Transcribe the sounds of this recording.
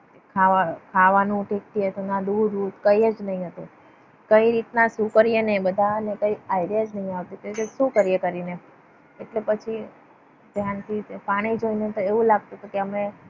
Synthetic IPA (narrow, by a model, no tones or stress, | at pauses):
kʰaʋakʰaʋanũʈek̚ʈiɦət̪ũnad̪ud̪ud̪kəiəd͡ʒnəɦĩɦət̪ũ | kəiɾit̪nasũkəɾijenebəd̪ʱanekəiajɾiad͡ʒnəɦĩaʋt̪ikəɾit̪esũkəɾijekəɾine | eʈlepət͡ʃʰi | d̪ʱjant̪ʰipaɽ̃id͡ʒoinet̪oeʋũlaɡ̚t̪ut̪okeəme